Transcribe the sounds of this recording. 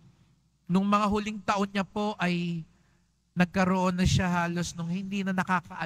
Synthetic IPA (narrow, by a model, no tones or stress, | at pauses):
nʊŋmɐŋaɦʊlɪŋt̪ɐʔo̞nːɐpo̞ʔɐj | nɐɡ̚kɐɾoʔo̞nːɐʃaɦaːlo̞snʊŋhɪnd̪iːnɐnɐkaːkɐʔɐ